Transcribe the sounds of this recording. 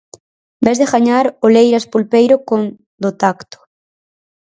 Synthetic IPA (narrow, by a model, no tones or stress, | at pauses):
bɛzðeɣaɲaɾolejɾaspulpejɾokon | d̪ot̪akt̪ʊ̥